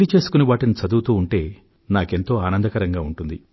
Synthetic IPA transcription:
lit͡ʃe̞ːsu̥kuniʋaːʈinit͡ʃɐd̪uːt̪uːuɳʈe̞ː | naːke̞nt̪o̞ːaːnɐnd̪ɐkɐɾɐŋɡaːuɳʈund̪i

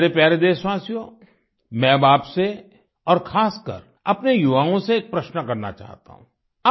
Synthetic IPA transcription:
ɾepjɛːɾed̪eːswaːsijõ | mɛ̃ːbaːpse | ɔːɾxʰaːskə̰ɾ | ɐpnejʊʋaːõseːk̚pɾɐʃnəkɐɾna̰t͡ʃa̰ːɦt̪a̰ɦũː | a

